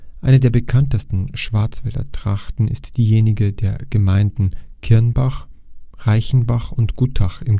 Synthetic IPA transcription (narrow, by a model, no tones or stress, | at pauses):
ʔaɪnədeːɐbəkʰantəstn̩ʃv̥aɐt͡sv̥ɛldɐ̰tʁ̥a̰χtn̩ɪ̰std̥iːjeːnɪɡədeːɐɡ̥əmaɪndn̩kʰɪɐnbaχ | ʁaɪçn̩baχʊntɡ̥utʰaχɪm